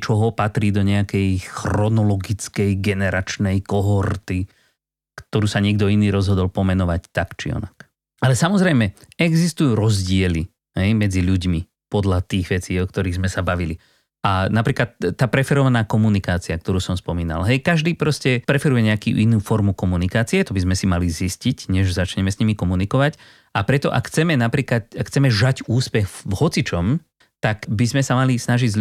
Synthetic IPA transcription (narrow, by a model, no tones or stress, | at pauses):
t͡ʃɔɦɔpat̪ɾiːd̪ɔɲɛakɛjxɾɔnɔlɔɡit͡skɛjɡɛnɛɾat͡ʃnɛjkɔɦɔɾt̪i | kt̪ɔɾuːsaɲɛɡd̪ɔiniːɾɔzɦɔd̪ɔlpɔmɛnɔʋact̪akt͡ʃḭɔ̰nak | alɛsamɔzɾɛjmɛɛɡzist̪ujuːɾɔzɟɪɛli | ɦɛjmɛd͡ziʎuɟmi | pɔd̪ʎat̪iːɣʋɛt͡siːɔkt̪ɔɾiːɣzmɛsabaʋili | ʔanapɾiːklat̪ːaːpɾɛfɛɾɔʋanaːkɔmunikaːt͡siak̚t̪ɔɾuːsɔmspɔmiːna̰lɦɛjkaʒd̪iːpɾɔscɛpɾɛfɛɾujɛɲɛakḭːʔinuːfɔɾmukɔmunikaːt͡siɛt̪ɔbizmɛsimaliziscicɲɛʒzat͡ʃɲɛmɛsɲimikɔmunikɔʋac | apɾɛt̪ɔʔa̰kxt͡sɛmɛnapɾiːklat̪akxt͡sɛmɛʒaɟuːspɛɣvhɔt͡sit͡ʃɔm | t̪akbizmɛsamalisnaʒiɟz